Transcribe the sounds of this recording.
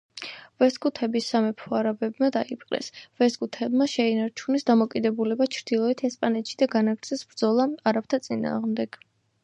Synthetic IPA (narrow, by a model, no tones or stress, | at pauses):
vɛskʼut̪ʰɛbisːamɛpʰɔaɾabɛbmad̪aipʰʼqʼɛ̰svɛskʼut̪ʰɛbmaʃɛinaɾt͡ʃʰunɛsd̪amɔkʼid̪ɛbulɛbat͡ʃʰɾd̪̥ilˠɔɛt̪ʰɛspʼanɛt̪ʃid̪aɡanaɡɾt̪sʰɛsbɾd̪zɔlˠaaɾap̚t̪ʰat̪sʼina̰ːʁmd̪ɛɡ̥